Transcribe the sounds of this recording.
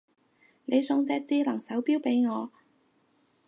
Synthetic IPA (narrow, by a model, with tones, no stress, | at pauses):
ne˨˧jsʊ˧ŋt͡sɛː˧k̚t͡siː˥lɐ˨˩ŋsɐ˨˥wpiː˥wpe˨˥jŋɔː˨˧